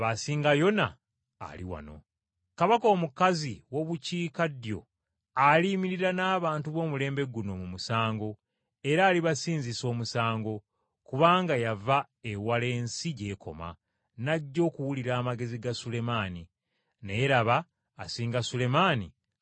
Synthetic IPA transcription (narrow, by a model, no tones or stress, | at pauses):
βasiːŋɡajo̞na̰ː | lḭwa̰no̞̰ | kaβako̞ːmukaziwo̞βuciːkadjo̞̰ | aliːmiɾiɾanaːβaːntuβo̞ːmule̞ːmbe̞ɡuno̞mumusaːŋɡo̞ | e̞ɾaːliβasiːnziso̞ːmusaːŋɡo̞ | kuβaːŋɡajava | ewale̞ːnsiɟe̞ːkʰo̞̰ma̰ | naɟːo̞ːkuwuliɾaːmaɡe̞ziɡasule̞maːni | nejeɾaβaː | siːŋɡasule̞maːni